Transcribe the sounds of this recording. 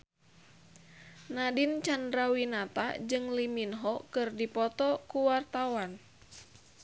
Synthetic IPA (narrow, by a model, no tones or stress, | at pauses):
nadint͡ʃandɾawinat̪a̰d͡ʒɨŋliminɦɔkɨrdipɔt̪ɔkuwart̪awan